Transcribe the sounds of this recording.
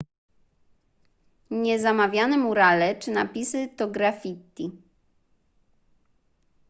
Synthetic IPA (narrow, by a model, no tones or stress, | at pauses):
ɲɛzamavʲjanɛmuɾalɛt͡ʂɘnapʲisɘt̪ɔɡɾafʲit̪ːi